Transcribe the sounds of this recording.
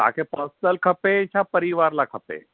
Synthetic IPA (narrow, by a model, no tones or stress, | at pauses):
t̪a̰kʰepəsəlkʰəpet͡ɕʰapəɾiʋaɾlakʰəpḛ